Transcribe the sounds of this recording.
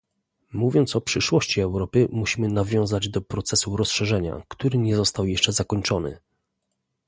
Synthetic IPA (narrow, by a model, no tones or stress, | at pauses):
muvʲjɔnt̪sɔpʂɘʂwɔɕt͡ɕiɛwɾɔpɘmuɕimɘnavʲjɔ̃w̃zad͡ʑd̪ɔpɾɔt̪sɛsuɾɔsʂɛʐɛɲa̰kt̪uɾɘɲɛzɔst̪awjɛʂt͡ʂɛzakɔɲt͡ʂɔnɘ̰